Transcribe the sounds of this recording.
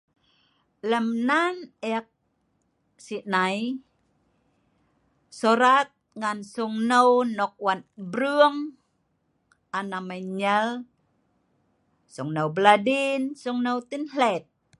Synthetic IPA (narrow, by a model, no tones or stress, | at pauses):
ləmnanɛk̚ | siʔnaj | soɾat̪̚ŋansuŋnəwnɔk̚wanbɾuəŋ | ʔanamaɲəl | suŋnəwbladinsuŋnəwt̪inɦlɛt̪̚